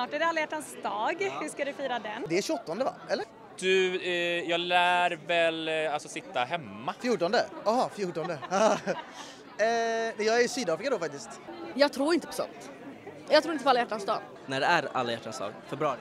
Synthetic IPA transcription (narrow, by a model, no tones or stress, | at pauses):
nɑːʈæɖɛalːajæʈːansd̪ɑːɡhʉʂkad̪ɵfiːɾad̪ɛnd̪ɛæɕɵɔt̪ːɔnd̪əva̰ʔɛlːəɾ | d̪̥ɵjɑːɡlæːɾvɛlalsɔsɪt̪ːaɦɛmːafjuːʈɔnd̪əaɦɑfjuːʈɔnd̪əhɑ | nɛjɑːɡæɾɪsyːd̪ɑːfɾɪkad̪ɔfak̚t̪ɪst̪jɑːɡ̚t̪ʰɾuːɾɪnt̪əpʰɔ̥sɔ̰nt̪ | jɑɡt̪ʰɾuːɪnt̪əpʰɔalːjæʈːansd̪ɑ̰ːɡ | næɖɛæɾa̰lːajæ̰ʈʰːansd̪ɑ̰ːɡfɛbɾɑ̰ːɾɪ